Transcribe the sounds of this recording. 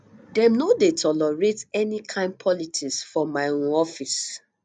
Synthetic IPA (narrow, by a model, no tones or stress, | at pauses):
dɛ̃mnodetʰɔlɔɹetɛnikʰãɪ̃n̚pʰɔlitʰiksfɔmaɪɾũɔfis